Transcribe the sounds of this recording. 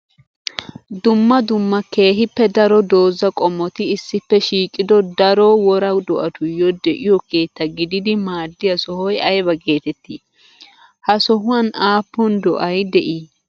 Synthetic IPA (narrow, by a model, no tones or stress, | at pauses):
d̪ʊmːɐd̪ʊmːɐke̞ːɦɪpːɛd̪ɐɾɔd̪oːzɐkʼɔmːɔt̪ɪɪsːɪpːɛʃiːkʼːɪd̪ɔd̪ɐɾɔwɔɾɐd̪ɔʔɐt̪ʊjɔd̪ɛʔɪjɔke̞ːt̪ːɐɡɪd̪ɪd̪ɪmaːd̪ːɪjɐsɔhɔjɐjbɐɡe̞ːt̪ɛt̪ːiː | hɐsɔɦʊwɐnaːpːʊnd̪ɔʔɐjd̪ɛʔiː